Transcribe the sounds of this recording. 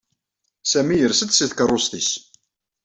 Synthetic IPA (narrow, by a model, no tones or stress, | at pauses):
sæmijəɾsət̪siθkərˤːʊst̪is